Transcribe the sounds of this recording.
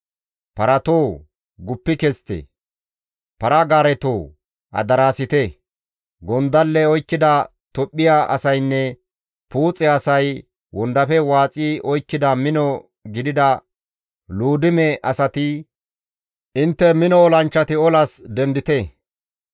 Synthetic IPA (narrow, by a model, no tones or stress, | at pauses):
pɐɾɐt̪oː | ɡʊpːɪkɛst̪ːḛ | pɐɾɐɡaːɾɛt̪oː | ɐ̰d̪ɐɾaːsɪt̪ɛ | ɡɔnd̪ɐlːɛɔjkːɪd̪ɐ | t̪ɔpʼːɪjaʔɐ̰sɐjnːɛ | puːt͡sʼːɛɐsɐj | wɔnd̪ɐfɛwaːt͡sʼiːʔɔjkːɪd̪ɐmɪnɔ | ɡɪd̪ɪd̪ɐ | luːd̪ɪmɛʔɐsɐt̪ɪ | ʔɪnt̪ːɛmɪnɔɔlɐnt͡ʃːɐt̪ɪɔlɐsd̪ɛnd̪ɪt̪ɛ